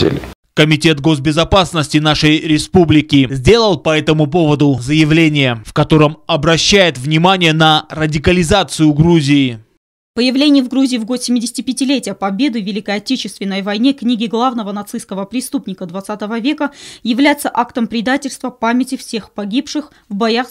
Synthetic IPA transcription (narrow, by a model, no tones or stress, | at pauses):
ḛlʲ | kəmʲɪtʲe̞t̪ɡo̞sbʲɪzɐpasnəsʲtʲɪnaʂəjɾʲɪspublʲɪkʲɪzʲdʲe̞lˠəlˠpɐɛt̪əmʊp̬o̞vəd̪ʊzəjɪvlʲenʲɪjəfkɐt̪o̞ɾəmɐbɾɐɕːæjɪt̪vnʲɪmanʲɪjənərədʲɪkəlʲɪzat̪sɨjʊɡɾuzʲɪː | pəjɪvlʲenʲɪjəvɡɾuzʲɪːvɡo̞t̪sʲɪmʲɪdʲɪsʲɪtʲɪpʲɪtʲɪlʲetʲɪjəpɐbʲe̞d̪ɨvʲɪlʲɪkəɐtʲet͡ɕɪst̪vʲɪnːəjvɐjnʲeknʲiɡʲɪɡlˠavnəvənɐt̪sɨjskəvəpɾʲɪst̪upnʲɪkəd̪vɐt̪sat̪əvəvʲe̞kəjɪvlʲæjɪt̪səʔakt̪əmpɾʲɪd̪atʲɪlʲst̪vəpamʲɪtʲɪfsʲe̞xpɐɡʲipʂɨx | vbɐjax